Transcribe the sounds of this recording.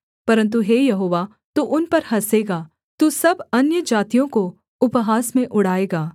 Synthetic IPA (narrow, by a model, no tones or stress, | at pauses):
pɐɾə̃nt̪̬uɦeːjɐɦoːʋaː | t̪uʔʊnpɐɾɦɐseːɡaː | t̪usɐbɐnjəd͡ʒaːt̪ijõko | ʊpɦaːsmẽʔʊɽaːeːɡaː